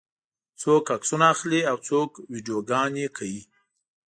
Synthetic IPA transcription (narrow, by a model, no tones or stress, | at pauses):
t͡sokaksunaaxliawt͡sokwiɖijoɡɑnjekʰawi